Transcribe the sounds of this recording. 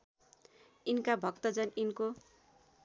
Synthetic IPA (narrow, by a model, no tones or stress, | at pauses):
inkabʱʌkt̪ʌd͡zʌninko